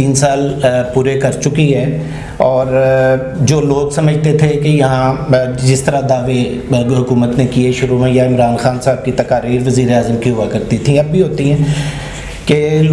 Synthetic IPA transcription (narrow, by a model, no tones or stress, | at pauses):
iːnsaːlpuːɾekɐɾt͡ʃʊkiɦɛː | ɔːɾ | d͡ʒoːloːɡsɐməd͡ʒʱt̪et̪ʰekejɐɦãd͡ʒɪst̪əɾad̪aːʋeɦʊkuːmət̪nekieʃʊɾumẽjaɪmɾaːnxaːnsaːb̚kit̪ɐkaːɾiːɾʋəziːɾeaːzəmkiɦʊʋakɐɾt̪it̪ʰĩɐb̚bʱiɦoːt̪iɦɛ̃ː | ke